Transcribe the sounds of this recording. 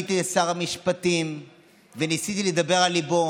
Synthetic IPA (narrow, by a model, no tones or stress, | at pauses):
t̪iasaʁamiʃpat̪im | venisit̪iled̪abe̞ʁalːibo